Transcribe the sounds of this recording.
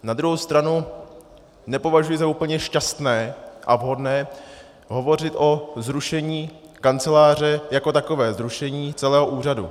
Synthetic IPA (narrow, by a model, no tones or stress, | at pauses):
nad̪ɾuɦowst̪ɾanu | nɛpo̞vaʒujɪzauːpl̩ɲɛʃcast̪nɛːʔavɦo̞dnɛː | ɦo̞vo̞r̝ɪt̪ʔo̞zɾuʃɛɲiːkant͡sɛlaːr̝ɛjako̞t̪akovɛːzɾuʃɛɲiːt͡sɛlɛːɦo̞ʔuːr̝adṵ